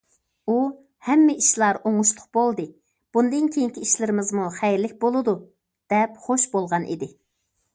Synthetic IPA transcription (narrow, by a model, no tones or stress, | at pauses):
u | hɛmːɪʔiʃlˠɑɾoŋʊʃlˠʊq̚b̥olˠd̪ɨ | b̥und̪ɨnkʲʰejiŋkʲiiʃlɪɾɪmɪzmuχɛjɾlɪk̚ʲbolˠɨd̪u | d̪̥ɛpχoʃbolˠʁɑnʔḭd̪ɪ